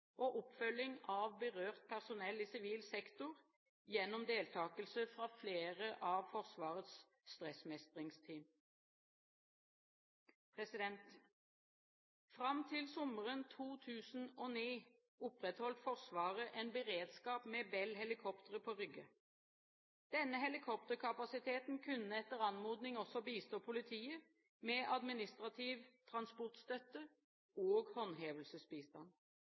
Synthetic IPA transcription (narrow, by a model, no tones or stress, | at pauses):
ʔoːʔʊpfœlɪŋɑːʋbəʁøːʁt̪̚pʰæʁsʊnɛliːsɪʋiːlsɛkt̪ʊʁ | jɛnʊmd̪eːlt̪ʰɑːkəlsəfʁɑːfleːʁəʔɑːʋfɔʁsʋɑːʁət̪s | st̪ʁɛsmɛst̪ʁɪŋst̪ʰiːm | pʰʁɛsɪd̪ɛnt̪ | fʁɑmt̪ʰɪlsɔməʁənt̪ʰuːt̪ʰʉːsn̩oːniː | ʊpʁɛt̪hɔlt̪fɔʁsʋɑːʁəʔɛnbəʁeːd̪skɑːpmɛːbɛlhɛlɪkʰɔpt̪əʁəpʰɔːʁʏɡə | d̪̥ɛnːəɦɛlɪkʰɔp̚t̪əʁkʰɑpɑsɪt̪ʰeːt̪n̩kʰʉnːəɛt̪əʁɑnmuːd̪nɪŋɔsɔbiːst̪oːpʰʊlɪt̪ʰiːə | mɛʔɑd̪mɪnɪst̪ʁɑt̪ʰiːʋt̪ʰʁɑnspɔʁt̪st̪œt̪ə | oːɡhɔnɦeːʋəlsəsbiːst̪ɑ̰n